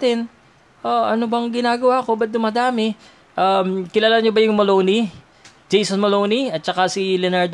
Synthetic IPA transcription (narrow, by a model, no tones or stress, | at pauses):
t̪ɪn | ʔaʔɐnobɐŋɡɪnaːɡɐwako̞bɐt̪̚d̪ʊmɐd̪aːmɪ | ʔamkɪlaːlaɲobɐjʊŋmɐlowni | d͡ʒejsɐnmɐlowniɐt̪̚t͡ʃɐkasilɛnaɹd̪